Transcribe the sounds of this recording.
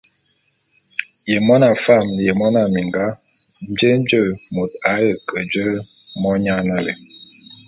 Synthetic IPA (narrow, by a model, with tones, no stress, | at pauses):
je˨mɔ˦na˨fa˦˨mje˨mɔ˦na˨mi˨ŋɡa˦ | n̩˨d͡ʒə˦n̩˦d͡ʒə˦˨mo˨ta˨˦jə˨kə˨d͡ʒə˦ | mɔ˦ɲa˦na˦le˨